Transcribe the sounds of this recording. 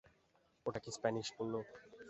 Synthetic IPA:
oʈakispɛniʃpolːo

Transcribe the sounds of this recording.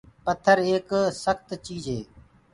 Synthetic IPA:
pət̪ʰːəɾeːksəxt̪t͡ʃiːzɦḛː

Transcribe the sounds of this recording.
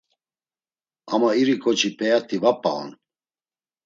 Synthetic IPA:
amaiɾikʼɔt͡ʃʰʼipʼɛjat̪ʰivapʼa̰ɔ̰n

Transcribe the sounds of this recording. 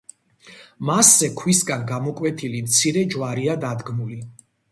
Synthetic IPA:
masːɛkʰwisɡanɡamɔkʼwɛt̪ʰilimt̪sʰiɾɛd͡ʒwaɾiad̪ad̪ɡmuli

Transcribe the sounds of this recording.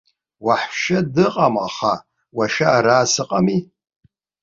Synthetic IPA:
waħʃadɨqʼamaχa | waʃaːɾaːsɨqʼami

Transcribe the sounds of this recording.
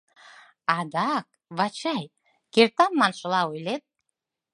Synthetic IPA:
ɑd̪ɑk̚ | βɑt͡ɕɑj | keɾt̪ɑmːɑnʃə̆lɑojlet̪̚

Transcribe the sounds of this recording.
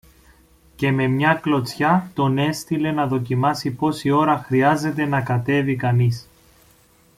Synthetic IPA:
ce̞me̞mɲɐklo̞t͡sçɐt̪o̞ne̞st̪ile̞nɐðo̞cimɐsipo̞sio̞ɾɐxɾiɐze̞t̪e̞nɐkɐt̪e̞vikɐnis

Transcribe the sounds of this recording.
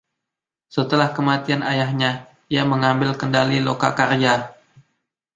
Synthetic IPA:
sət̪əlahkəmat̪ianʔajahɲa | iaməŋambɪlkəndaliloka̰kard͡ʒa

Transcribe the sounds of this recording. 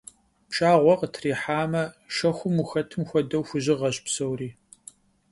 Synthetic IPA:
pʃaːʁʷɔqətʰriːħaːmɐ | ʃɐxʷʊmuxɐtʰɨmxʷɔdɐwxʷʊʑɪʁɐɕpsɐwriː

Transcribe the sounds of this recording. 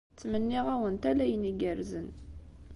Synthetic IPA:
t͡sːmənːiʁæwənt̪ælæjəniɡəɾzən

